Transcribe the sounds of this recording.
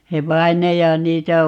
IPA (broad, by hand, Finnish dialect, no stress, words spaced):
se ʋɑi̯nɑjɑ niːtæ